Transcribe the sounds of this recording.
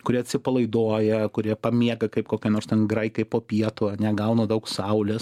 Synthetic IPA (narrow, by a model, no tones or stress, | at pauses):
kʊɾʲiːɐt̪ʲsʲɪpɐlˠɐɪd̪oːjɛkʊɾʲiɛpɐmʲiɛɡɐkɐɪp̚koːkʲɛnoːɾst̪ʲɛnɡɾɐɪkɐɪpoːpʲiɛt̪ʊɐnʲɛɡɐʊnɐd̪ɐʊksɐʊlʲɪs